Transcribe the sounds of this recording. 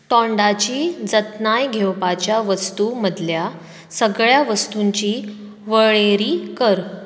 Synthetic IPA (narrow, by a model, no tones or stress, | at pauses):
t̪ɔɳɖat͡ɕiːd͡zət̪najɡʱewpat͡ɕjaʋəst̪uməd̪ʱlja | səɡɭjaʋəst̪uɲt͡ɕiː | ʋəɭeɾiːkəɾ